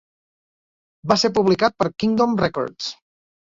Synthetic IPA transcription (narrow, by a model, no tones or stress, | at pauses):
baseɾpuβlikat̪̚pəɾkiŋd̪omrɛkɔ̰ɾd̪s